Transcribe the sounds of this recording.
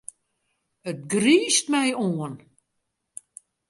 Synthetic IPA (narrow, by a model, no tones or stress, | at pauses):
ət̚ɡriːstmɛjoən